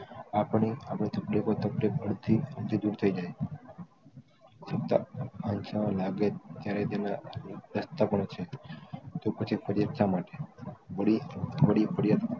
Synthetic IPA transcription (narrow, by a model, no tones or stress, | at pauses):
apɳ̃iapɳit̪əpɾikot̪əplikəɽd̪ʱiəɽd̪ʱid͡ʒ̪uɽt̪ʰəid͡ʒaj | səp̚t̪a̰ant͡ʃãlaɡet̪jaɾet̪enaɾəst̪apəɳt͡ʃʰe | t̪opət͡ʃʰipəɾjəkʃamaʈebəɽibəɽipəɾjad̪